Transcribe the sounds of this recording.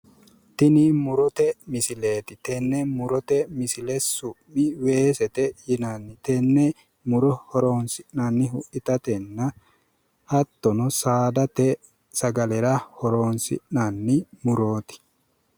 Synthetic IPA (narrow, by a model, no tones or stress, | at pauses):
t̪ɪnimʊɾɔt̪ɛmɪsɪle̞ːt̪ɪt̪ɛnːɛmʊɾɔt̪ɛmɪsɪlɛsʊʔɪwe̞ːsɛt̪ɛjɪnanːɪt̪ɛnːɛ | mʊɾɔhɔɾo̞ːnsɪʔnanːɪɦʊʔɪt̪ɐt̪ɛnːɐ | hɐt̪ːɔnɔsaːd̪ɐt̪ɛ | sɐɡɐlɛɾɐhɔɾo̞ːnsɪ̰ʔnanːɪmʊɾo̞ːt̪ɪ̥